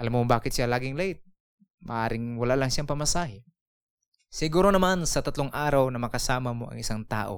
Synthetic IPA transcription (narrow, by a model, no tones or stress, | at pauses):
ʔɐlamːobaːkɪt̪ʃjalaːɡɪŋlɐɪt̪̚ | mɐ̰ʔaːɾɪŋwɐlaːlɐŋʃjaŋpɐmɐsaːɦɪ | sɪɡuːɾonɐmansɐt̪ɐt̪loŋʔaːɾɐwnɐmɐkɐsaːmɐmo̞ʔɐ̰ŋɪsaŋt̪a̰ːʔo̞̰